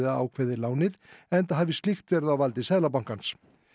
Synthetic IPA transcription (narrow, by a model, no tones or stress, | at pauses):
ðaa̰ːwkʰvɛːðɪlaːwnɪðɛnt̪aɦaːvɪst̪lixt̪vɛɾðawvalt̪ɪsɛðlap̬awŋ̥kans